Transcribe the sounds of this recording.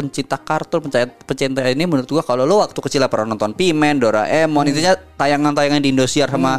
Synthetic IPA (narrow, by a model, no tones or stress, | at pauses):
əɲt͡ʃit̪akart̪ʊrpəɲt͡ʃapəɲt͡ʃint̪ainimənʊɾʊt̪̚ɡuakalolowak̚t̪ukət͡ʃilapəɾanɔnt̪ɔnpimɛndoɾa̰ʔɛmɔnit̪̬uɲat̪ajaŋant̪ajaŋandiːndosiarsama